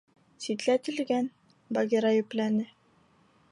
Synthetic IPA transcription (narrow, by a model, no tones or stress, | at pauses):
sit̪læt̪ɘ̆lɡæn | bɑɡʲiɾɑjɵ̆plænɘ